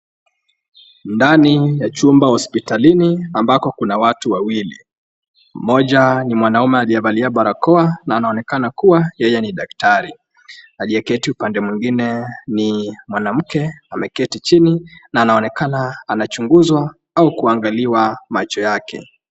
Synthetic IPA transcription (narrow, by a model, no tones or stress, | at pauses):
ndanijat͡ʃumbahɔspitaliniambakɔkunawatuwawilḭ | m̩mɔʄanimwanaumɛaliɛvaliaɓaɾakɔanaːnaɔnɛkanakuwajɛjɛniɗak̚taɾi | aliɛkɛtiupandɛmwiŋɡinɛnimwanam̩kɛamɛkɛtit͡ʃininaːnaɔnɛkanaːnat͡ʃuŋɡuzwa | aukuaŋɡaliwamat͡ʃɔjakɛ̰